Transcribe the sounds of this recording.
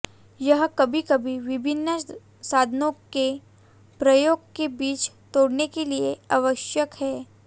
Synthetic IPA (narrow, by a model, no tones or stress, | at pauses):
jɐɦkɐbʱikɐbʱiʋɪbʱɪnːə | saːd̪ʱənõke | pɾɐjoːɡkebiːt͡ʃ | t̪oːɽnekelieaʋəʃjəkhɛː